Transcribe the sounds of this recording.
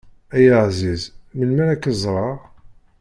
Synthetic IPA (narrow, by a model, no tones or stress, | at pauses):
æjəʕzizməlmæɾækːəzˤɾˤɑʁ